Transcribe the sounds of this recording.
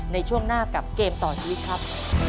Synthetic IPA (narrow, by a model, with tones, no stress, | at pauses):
na˧jt͡ɕʰu˥˩əŋnaː˥˩ka˨˩p̚keː˧mt̪ɔː˨˩t͡ɕʰi˧wi˦˥t̪̚kʰɾa˦˥p̚